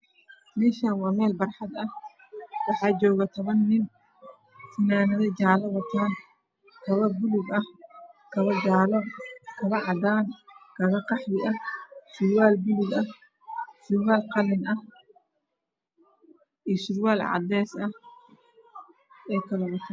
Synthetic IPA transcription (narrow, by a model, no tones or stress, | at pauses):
mɛːʃaːnwɑːmɛːlbɐrħɑd̪ɐh | wɑħɑːt͡ʃɔːɣɐt̪ʰɐβɐnːɪn | sɪnaːnɐðɛjt͡ʃaːlɐβɐt̪ʰaːn | kʰɐβɐbʊlʊɡɐhkʰɐβɐd͡ʒaːlɐbkʰɐβɐʕɑd̪aːnkʰɐɣɐqɑħβɪʔɐhʃʊɾwaːlbʊlʊɡɐh | ʃʊɾwaːlqɑlɛnɐ | ʔiːʃɪɾwaːlʕɑ̰d̪ɛːsɐ | ɛːjkʰɐlɐwʊt̪ʰaːn